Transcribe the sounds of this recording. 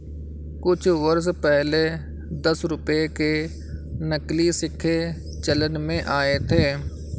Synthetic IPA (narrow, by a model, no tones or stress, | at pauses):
kʊt͡ʃʰʋəɾspɛɦle | d̪əsɾʊpeke | nəklisɪkʰːe | t͡ʃələnmẽʔaːet̪ʰeː